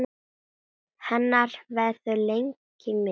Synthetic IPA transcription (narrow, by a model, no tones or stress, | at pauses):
hɛnːaɾvɛððʏlejŋk | ɪmɪ